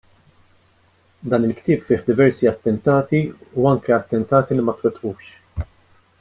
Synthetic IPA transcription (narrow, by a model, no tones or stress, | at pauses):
d̪ɐːnɪlkt̪ɪːpfɪːħd̪ɪvɛɾsiɐt̪ːɛnt̪ɐːt̪iuɐŋkɛɐt̪ːɛnt̪ɐːt̪ilimɐt̪wɛt̪ʔuːʃ